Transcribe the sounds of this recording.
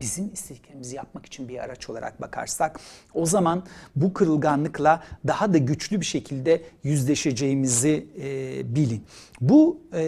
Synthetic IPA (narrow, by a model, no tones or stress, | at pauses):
b̥izimist̪icʰʲeɾimizijap̚maki̥t͡ʃʰinbiɾa̰ɾat͡ʃʰo̞lˠa̰ɾa̰k̚bakʰa̰ɾsako̞zamanbukʰɯɾɯlˠɡanlˠɯklˠad̪ahad̪aɟyt͡ʃlʲybiʃe̞cʰilʲd̪ɛjyzlʲe̞ʃe̞d͡ʒe̞jimizi | bilʲinbu